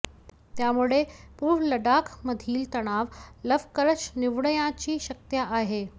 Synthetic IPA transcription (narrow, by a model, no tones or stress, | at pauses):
t̪jamuɭepuɾʋləɖakʰməd̪ʱiːlt̪əɽ̃aʋləʋkəɾət͡ɕniʋɳəjãt͡ɕiːɕək̚t̪jaʔaɦe